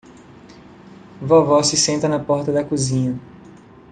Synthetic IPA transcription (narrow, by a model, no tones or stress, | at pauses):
vɔvɔsɪsẽnt̪ɐnɐpɔɾt̪ɐd̪ɐkuzĩɲɐ